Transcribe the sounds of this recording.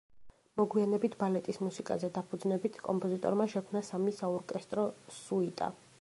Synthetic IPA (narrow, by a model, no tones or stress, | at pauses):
mɔɡwianɛbit̪ʰbalɛt̪ʼismusikʼa̰zɛd̪apʰud̪znɛbit̪ʰkʼɔmpʼɔzit̪ʼɔ̰ɾmaʃɛkʰmnasamisaɔɾkʼɛst̪ʼɾɔsuit̪ʼa̰